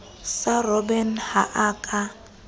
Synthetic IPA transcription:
sarɔbɛnhaʔaːkʼa

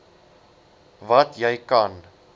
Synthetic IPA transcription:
vɐtjɛjkɐn

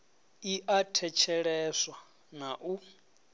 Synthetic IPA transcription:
iʔatʰɛt͡ʃʰɛɺɛswa | naʔu

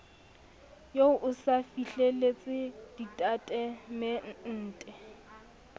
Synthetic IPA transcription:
joʊʔʊsafiɬelet͡sʼɪd̥itʼatʼɛmɛn̩ːtʼɛ

